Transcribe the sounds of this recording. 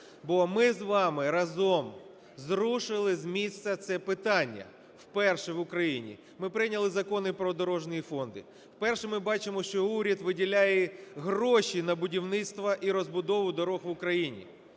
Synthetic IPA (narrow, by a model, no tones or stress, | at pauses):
bɔmɪzʋɑmɪɾɐzɔm | zɾuʃɪlˠɪzmʲist̪ɐt̪sɛpɪt̪ɑnʲːɐ̰ | wpɛrʃɛʋʊkɾɐjinʲḭ | mɪpɾɪjnʲɐlˠɪzɐkɔnɪpɾɔd̪ɔɾɔʒnʊjifɔnd̪ɪ̰ | wpɛrʃɛmɪbɑt͡ʃɪmɔʃt͡ʃɔuɾʲɐd̪ʋɪdʲilʲajɛɦɾɔʃʲinɐbʊdʲiwnɪt̪st̪ʋɐʔiɾɔzbʊd̪ɔʋʊd̪ɔɾɔxʋʊkɾɐjinʲḭ